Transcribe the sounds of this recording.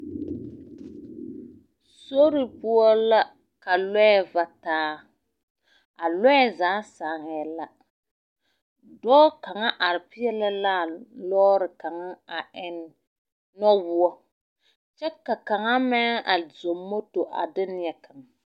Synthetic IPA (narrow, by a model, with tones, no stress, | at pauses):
so˦ɾi˨pu˦ɔ˦la˦ | ka˨lɛ˦ɛ˦va˦taː˦ | a˨lɛ˦ɛ˦˨zaː˨˦saː˨ŋɛ˨la˦ | dɔː˦ka˨ŋa˦ʔa˨ɾɪ˨pɪ˦jɛ˦la˦la˦˨lɔː˦ɾɪ˨ka˨ŋa˦a˨ʔɪ˦nː˦ | ɔ˦wʊ˦ɔ˦ | t͡ʃɛ˦kːa˨ka˨ŋa˦mɛ˦a˨zo˨mːo˦to˨ʔa̰˨dɪ˦nɪ˦jɛ˨ka˨ŋa˨